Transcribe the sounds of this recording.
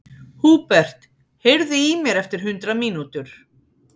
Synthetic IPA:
huːpɛr̥t̪ | heɾðʏimjɛɾɛft̪ɪɾ̥ɦʏnt̪ɾamiːnut̪ʏɾ̥

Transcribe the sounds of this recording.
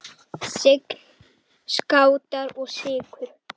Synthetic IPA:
sɪkl | skaːwt̪aɾɔɣsɪːkʰʏɾ̥

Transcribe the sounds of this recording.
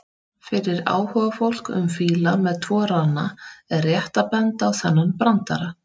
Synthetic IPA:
fɪɾɪɾa̰ːwhœvafowl̥kʏ̰mfiːlamɛðt̪ʰvɔːɾanaɛrjɛht̪apɛnt̪awθɛnːanpɾant̪a̰ɾa

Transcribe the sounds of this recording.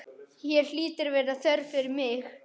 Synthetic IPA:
hjɛɾ̥liːt̪ɪɾvɛːɾaθœɾfɪɾɪɾmɪx

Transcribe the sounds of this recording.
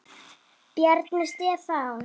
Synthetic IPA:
pjɛɾt̪nʏst̪ɪɛθaw

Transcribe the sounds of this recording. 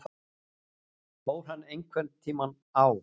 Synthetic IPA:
poːwɾ̥ɦanːejŋkʰvɛnt̪t̪ʰiːman | aw

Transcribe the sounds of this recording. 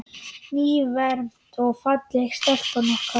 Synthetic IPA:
niːvɛɾm̥t̪ʰɔɣfat̪lɛxst̪ɛl̥kanɔhka

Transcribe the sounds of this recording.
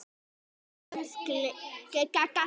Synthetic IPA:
sklekekaka

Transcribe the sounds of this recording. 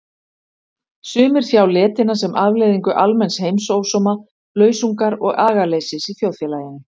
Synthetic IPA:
sʏːmɪɾ̥θjaːwlɛːt̪ɪnasɛmʔaðvleːjðiŋkʏʔalmɛnshejmsoːwsɔːma | lœːɥsuŋkaɾɔɣaːɣalejsɪsiθjowðfjɛlaːjɪnːɪ

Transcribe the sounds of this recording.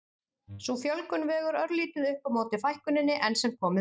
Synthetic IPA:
sufjœlkʏnvɛːɣʏɾœɾliːt̪ʏðʏhpawmoːwt̪ɪfajhkʏnɪnːɪʔɛnsɛmkʰɔːmɪ

